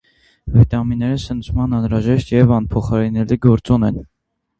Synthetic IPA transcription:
vit̪ɑminːɛɾəsənt͡sʰmɑnɑnɾɑʒɛʃt̪jɛvɑnpʰɔχɑɾinɛliɡɔɾt͡sɔnɛn

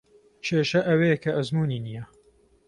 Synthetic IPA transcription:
t͡ʃʰeːʃɐʔɐwekʰɐʔɐzmuːniːnijɐ

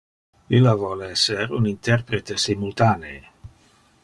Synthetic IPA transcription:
ilːavɔleɛseɾunint̪ɛrpɾet̪esimult̪aːne

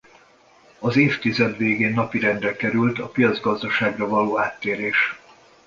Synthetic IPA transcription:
ɒzeːft̪izɛd̪ʋeːɡeːnːɒpiɾɛnd̪rɛkɛɾylt̪ɒpijɒd̪zɡɒzd̪ɒʃaːɡrɒvɒloːaːt̪ːeːɾeːʃ

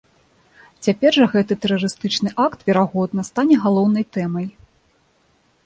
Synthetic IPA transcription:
t͡sʲapʲɛrʐɐɣɛt̪ɨt̪ɛɾɐɾɨst̪ɨt͡ʂnɨʔakt̪vʲɛɾaɣɔd̪̚nɐst̪anʲɛɣalˠɔwn̪ɐjt̪ɛmɐj

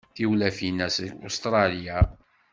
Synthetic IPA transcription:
θiwlæfinæso̰st̪ɾˤɑlija

